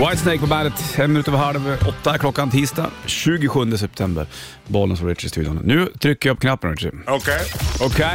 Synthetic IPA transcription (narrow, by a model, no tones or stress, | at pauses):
waɪt̪sneɪk̚pɔbænd̪ət̪fɛnmɪnʉːt̪əɾvɦaɖvɔt̪ːakʰlɔkːant̪ʰiːst̪ɑ̰ːɕʉ̟ːɡɪɧɵnd̪əs̬ɛp̚t̪ʰɛmbə̰ɾ | bɔlənsfɔɾɪʂɪ̰st̪ʰʉːd̪jʊ̰nnʉ̟ːt̪ʰɾʏkːəjapːɔkʰnapːənɛ̰ɪ̰okʰeokʰe